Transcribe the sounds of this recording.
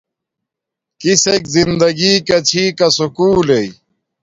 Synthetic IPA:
kisekzind̪ɐɡiːkɐt͡ɕʰiːkɐsukuːlei

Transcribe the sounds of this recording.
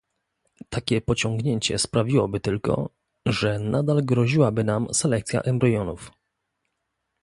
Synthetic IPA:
t̪ʰakʲɛpɔt͡ɕɔŋɡɲeɲt͡ɕɛ̰spɾavʲiwɔbɘt̪ɘlkɔ̰ | ʐɛnad̪alɡɾɔʑiwabɘnamsɛlɛk̚t̪sʲja̰ʔɛmbɾɔjɔnuf

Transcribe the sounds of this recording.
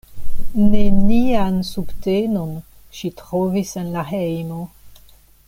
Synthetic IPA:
neliansubtenon | ʃitʁovisenlahejmo

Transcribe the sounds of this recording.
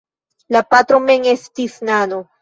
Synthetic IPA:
lapat̪ɾomeŋest̪isnano

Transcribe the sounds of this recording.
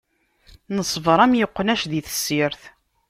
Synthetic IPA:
nəsˤvɾˤæmjəqːənæʃðiθə̥sːiɾθ

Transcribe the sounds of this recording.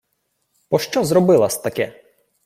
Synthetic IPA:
pɔʃt͡ʃɔzɾɔbɪlˠɐsʲt̪ɐkɛ

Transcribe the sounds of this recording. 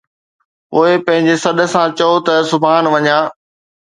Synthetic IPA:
ʊepɐ̃ɦɪ̃ɲd͡ʑesɐɗə̆sãt͡ɕɐot̪ɐsʊbʱaːnʋɐɲãː

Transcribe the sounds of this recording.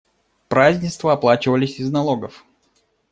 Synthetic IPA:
pɾazʲnʲɪst̪vəɐplˠat͡ɕɪvəlʲɪsʲɪznɐlˠo̞ɡəf

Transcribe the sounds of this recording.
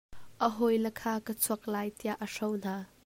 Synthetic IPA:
ʔəɦɔjlɛkʰaːkət͡sʰuɐk̚laːjt̪iaʔːəʂɔwn̥aː

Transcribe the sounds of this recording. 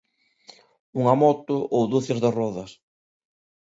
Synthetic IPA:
uŋamɔt̪ʊʔowd̪uθezðɪrɔðɐs

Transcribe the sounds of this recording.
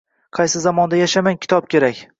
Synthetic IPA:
qʰɑjsɪzamɒnd̪ajaʃamaŋkʲʰɪ̥t̪ʰɒp̚kʲe̞ɾakʲ

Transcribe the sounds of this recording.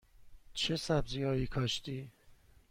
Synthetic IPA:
t͡ʃʰesæbzijɒːjiːkʰɒːʃt̪iː

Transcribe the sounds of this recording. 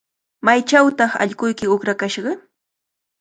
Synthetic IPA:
majt͡ʃawt̪ɑχa̰ʎɢʊjkɪʊkɾakaʃɢɑ

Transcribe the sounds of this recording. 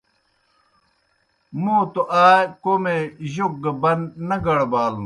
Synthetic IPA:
moːt̪oʔaːjekoːmeʑoɡ̚ɡɐbɐnnɐɡɐɽbaːlũ

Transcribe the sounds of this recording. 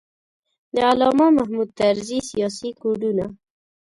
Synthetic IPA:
d̪əalɑmamahmud̪̚t̪aɾzisijɑsikuɖuna

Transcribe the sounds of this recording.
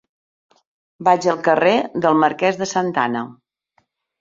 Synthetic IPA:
bad͡ʒəlˠkəreðəlˠməɾkɛzðəsənt̪a̰nə

